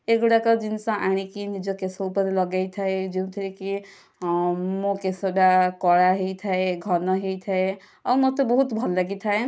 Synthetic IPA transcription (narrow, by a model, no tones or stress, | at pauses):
ekɽakɔd͡ʒinsɔ̃ʔaɽ̃ikinid͡ʒɔkesɔupəɾlɔɡajt̪ʰaed͡ʒiũt̪ʰiɾeki | mokesɔɖakɔɽaɦejt̪ʰaeɡʱɔnɔɦejt̪ʰae | ɔmɔt̪ɔbɔɦut̪bʱɔllaɡit̪ʰae